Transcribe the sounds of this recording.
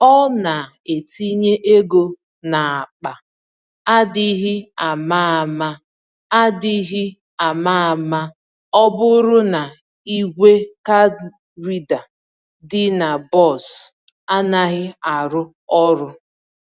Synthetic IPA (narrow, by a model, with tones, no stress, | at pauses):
ɔ˦na˨ | e˨ti˦ɲe˦ʔe˦ɡo˦ | na˨a˨k͡pa˨ | a˦dɪ˦ɦɪ˦a˨ma˦a˨ma˦ | a˦dɪ˦ɦɪ˦ | a˨ma˦a˨ma˦ | ɔ˦bʊ˦ɾʊ˦na˨ | i˦ɡʷe˦ka˦ | wi˦da˨ | dɪ˦na˨bɔ˦˨s | a˦na˦ɣɪ˦a˨ɾʊ˦ | ɔ˦ɾʊ˦